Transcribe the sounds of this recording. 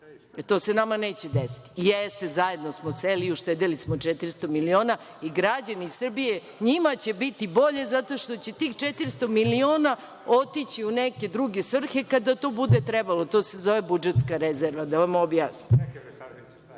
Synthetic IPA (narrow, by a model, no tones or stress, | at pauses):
t̪o̞ːse̞namaneːt͡ɕed̪esi̥t̪i̥jest̪e̞zaje̞d̪nosmoseliuʃt̪ed̪elismot͡ʂɛt̪iɾst̪o̞milio̞ːna | iɡɾad͡ʑanisr̩bije | ɲimat͡ɕe̞bit̪ibo̞ʎe̞zat̪o̞ʃt̪o̞t͡ɕe̞t̪iːxt͡ʃet̪iɾst̪o̞milio̞ːna | ot̪it͡ɕiuneke̞d̪ɾuɡe̞sʋr̩xe̞kad̪at̪o̞ːbud̪et̪ɾebalo̞t̪o̞sezoʋebud͡ʒet̪skaɾezeɾʋad̪aʋamobja̰ːsni